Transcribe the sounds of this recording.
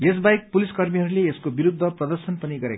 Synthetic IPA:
es̬bajk̚puliskʌrmiɦʌɾuleeskobiɾud̪ʱːʌprʌd̪ʌrsʌnpʌniɡʌɾḛk

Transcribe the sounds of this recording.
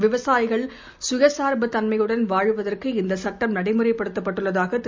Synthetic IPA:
ʋɪʋɐsaːjɪɣɐɭ | sʊjɐsaːɾbɐt̪ːɐnmɐjɯɽɐnʋaːɻɯʋɐðɐrkɯɪnd̪ɐsɐʈːɐmnɐɽɐɪmɯrɐɪpːɐɽɯt̪ːɐpːɐʈːɯɭːɐðaːɣɐt̪

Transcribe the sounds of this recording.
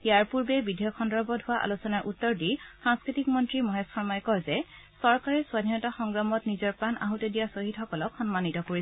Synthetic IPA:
ijaɹpuɹbɛbidʱijɔkʰɔndɔɹbɔdʱʊaʔa̰lusɔnaɹʔutːɔɹdisãŋskɹitikmɔntɹimɔɦesxɔɹmajkɔɹzɛ | sɔɹkaɹɛsʊwadʱinɔtaxɔŋɡɹamɔtnizɔɹpɹana̰ɦutedijasoɦitxɔkɔlɔkxɔnmanitɔkoɹi

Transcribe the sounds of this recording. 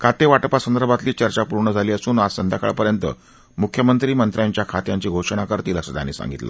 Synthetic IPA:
kʰat̪eʋaʈpasənd̪əɾbʱat̪liːt͡ɕəɾt͡ɕapuɾɳəd͡zʱaliːəsuːnasənd̪ʱaka̰ɭpəɾjənt̪ə̰ | mukʰjəmənt̪ɾiːmənt̪ɾjaɲt͡ɕjakʰat̪jaɲt͡ɕiːɡʱoʂəɳ̃akəɾt̪iːləsət̪ja̰nːḭːsa̰ŋɡit̪lə̰

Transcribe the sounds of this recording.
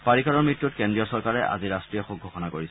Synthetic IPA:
paɹikaɹɔɹmɹitːut̚kendɹiɔsɔɹkaɹɛʔa̰ziɹastɹijɔxuɡʱːɔxɔnakoɹis

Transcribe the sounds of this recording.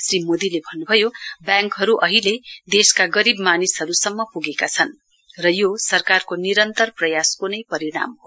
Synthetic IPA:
srimod̪ilebʱʌnːubʱʌjobjãŋkɦʌɾuʔʌɦiled̪eskaɡʌɾibmanisɦʌɾusʌmːʌpuɡekat͡sʰʌn | rʌjosʌrkarkoniɾʌnt̪ʌrprʌjaskunʌjpʌɾiɽ̃a̰mɦo

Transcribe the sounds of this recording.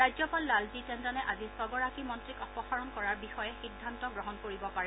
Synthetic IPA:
ajzɔpalːalzitɛndanɛʔazisɔbɔɹakimɔntɹikɔpɔxaɹɔnkɔɹaɹbixɔjɛxidʱːantɔɡɹɔɦɔnkoɹibɔpaɹɛ

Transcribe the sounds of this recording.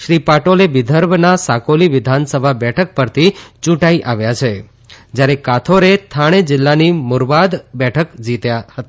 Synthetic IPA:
ʃɾipaʈoleʋɪd̪ʱəɾbʱnasakoliʋɪd̪ʱansəbʱabɛʈʰək̚pəɾt̪ʰit͡ʃũʈaiʔaʋjat͡ʃʰe | d͡ʒjaɾekat̪ʰoɾet̪ʰaɽ̃ed͡ʒɪlːanimʊɾʋad̪bɛʈʰəkd͡ʒit̪jahət̪a

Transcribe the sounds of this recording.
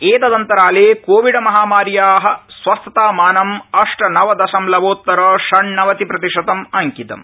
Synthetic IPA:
eːt̪ɐd̪ɐnt̪ɐɾaːleːkoːʋiɖɐmɐɦaːmaːɾjaːɦɐ̆sʋɐst̪ɐt̪aːmaːnɐmɐʂʈɐnɐʋɐd̪ɐʃɐmlɐʋoːt̪ːɐɾɐːʃɐɳnɐʋɐt̪ipɾɐt̪iʂɐt̪ɐmɐŋkit̪ɐ̰m

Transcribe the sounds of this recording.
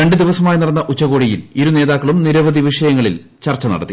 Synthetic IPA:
ɾeɳɖɨd̪iʋɐsɐmaːjnɐɽɐnːɐʔut͡ɕːɐɣoːɽijiliɾune̞ːðaːkːɐɭumniɾɐʋɐd̪ʱiʋiʂɐjɐŋːɐɭil | t͡ɕɐrt͡ɕːɐnɐ̰ɽɐt̪ːi

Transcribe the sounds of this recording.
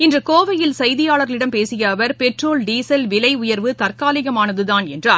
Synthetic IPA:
ɪndrɐkoːʋɐjɪlsɐjðɪjaːɭɐɾɐlɪɽɐmpeːsɪjɐːʋɐɾpɛʈroːlɖiːsɐlʋɪlɐɪʊjɐɾʋɯt̪ɐrkaːlɪɣɐmaːnɐðɯðaːnɛ̰ndraː

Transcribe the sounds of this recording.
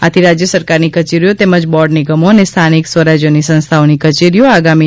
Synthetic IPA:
at̪ʰiɾad͡ʒjəsəɾkaɾnikət͡ʃeɾijot̪eməd͡ʒbɔɖniɡəmoənest̪ʰaniksʋəɾad͡ʒjonisə̃ñst̪ʰaonikət͡ʃeɾijoaɡami

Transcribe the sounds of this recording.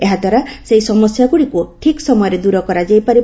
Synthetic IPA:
eɦad̪ʱwaɾaseisɔmɔsjaɡuɽikuʈʰiksɔmɔjɔɾed̪uɾɔkɔɾad͡ʒajpaɾi

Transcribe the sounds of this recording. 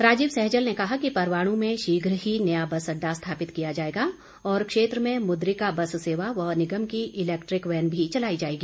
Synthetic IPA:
ɾaːd͡ʒiːbsɛɦd͡ʒəlnekɐɦakipɐɾʋaːɽ̃ũmẽʃiːɡʱɾɦinɐjabɐsɐɖːast̪ʰaːpɪt̪kijad͡ʒaːeːɡa | ɔːɾkʃeːt̪ɾəmẽmʊd̪ɾikabɐsseːʋaʋɐɦnɪɡəmkiʔɪlɛːkʈɾɪkʋɛːnbʱit͡ʃɐlaːid͡ʒaːeːɡiː

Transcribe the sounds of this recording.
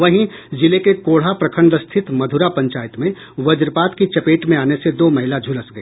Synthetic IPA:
ʋɐɦĩzɪlekekoːɽ̤apɾɐkʰə̃ɳɖəst̪ʰɪt̪mɐd̪ʱʊɾapɐ̃ɲt͡ʃaːjɪt̪mẽ | ʋɐd͡ʒɾpaːt̪kit͡ʃɐpeːʈmẽaːnesed̪oːmɐɦɪlad͡ʒʱʊləsɡɐeː

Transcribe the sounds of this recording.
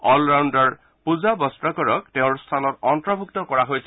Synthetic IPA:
ɔlɹawndaɹ | puzabɔstɹɔkɔɹɔk̚teʊ̃ɹst̪ʰalɔtɔntɹɔbʱuktɔkɔɹaɦojsɛ

